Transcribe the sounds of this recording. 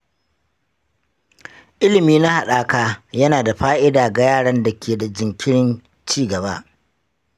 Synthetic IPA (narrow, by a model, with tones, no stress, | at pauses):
ʔɪ˦lɪ˨miː˦na˦ha˨ɗaː˨kaː˦jɐ˦naː˨da˨ɸaː˦ʔɪ˦daː˨ɡa˨jaː˦˨ɽɐ˦nda˨kʲʰeː˨da˨d͡ʒɪ˨ŋkʲɪ˦ɽɪ˦n | t͡ʃiː˦˨ɡɐ˨ba˦ʔ